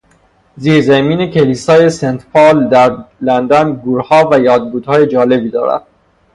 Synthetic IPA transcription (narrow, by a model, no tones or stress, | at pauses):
ziːɾzæmiːne̞kʲʰeliːsɒːje̞sent̪ʰpʰɒːld̪æɾlænd̪ænɡuːɾhɒːvæjɒːd̪̚buːd̪̥hɒːje̞d͡ʒɒːle̞biːd̪ɒ̰ːɾæ̰d̪̥̚